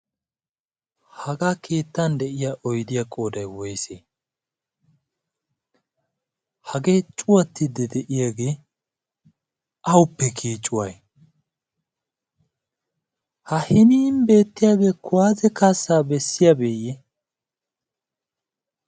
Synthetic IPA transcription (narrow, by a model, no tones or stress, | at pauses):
hɐɡaːkʰe̞ːt̪ːɐnd̪ɛʔɪjaʔɔjd̪ɪjakʼo̞ːd̪ɐjwɔjseː | hɐɡe̞ːt͡ʃʼʊwɐt̪ːɪd̪ɛd̪ɛʔɪjaɡe̞ː | ɐwʊpːɛkʰiːt͡ʃʼːʊwaj | hɐhɪniːnbe̞ːt̪ːɪjaːɡe̞ːkʊwaːzɛkasːaːbɛsːɪjabeːjɛ